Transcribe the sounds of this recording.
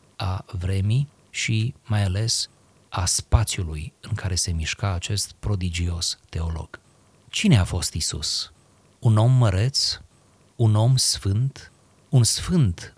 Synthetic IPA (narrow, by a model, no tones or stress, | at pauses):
avɾe̞mi | ʃimajale̞s | aspat̪sjulujɨŋkʰaɾe̞se̞miʃkaːt͡ʃe̞st̪pɾo̞d̪id͡ʒio̞st̪e̞o̞lo̞̰ɡ̥ | t͡ʃine̞afo̞st̪isṵs | uno̞mːəɾe̞t̪s | uno̞msfɨnt̪ | unsfɨnt̪